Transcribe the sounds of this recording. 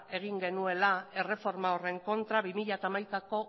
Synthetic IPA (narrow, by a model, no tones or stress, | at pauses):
e̞ɣ̞iŋɡe̞nue̞lae̞re̞fo̞ɾmao̞re̞ŋko̞nt̪ɾaβimiʎat̪aːmajkako̞